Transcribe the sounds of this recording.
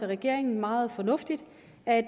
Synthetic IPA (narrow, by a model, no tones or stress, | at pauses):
əʁɛɡ̥e̝ɐeŋn̩mɑ̈ːð̞̩ˠfɒ̽nɔ̽fd̥id̥ | æd̥